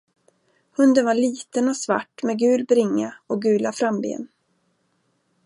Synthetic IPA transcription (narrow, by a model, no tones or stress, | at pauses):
hɵnd̪ənvaɭiːt̪ənɔsva̰ʈːmɛɡʉ̟ːlbɾɪŋːaɔɡʉ̟ːlafɾambḛːn